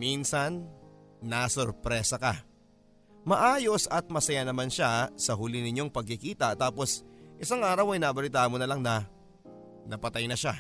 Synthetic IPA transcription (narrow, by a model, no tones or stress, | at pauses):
minsɐnː | asoɾpɾɛːsɐkɐ | mɐʔaːjo̞sɐt̪̚mɐsɐjanɐmanʃasɐɦʊlɪnɪɲoŋpɐɡ̚kɪkiːt̪ɐt̪aːpo̞sʔɪsaŋʔaːɾɐwɐjnabɐlit̪aːhɐmonɐlaŋnɐ | nɐpɐt̪ajnɐʃa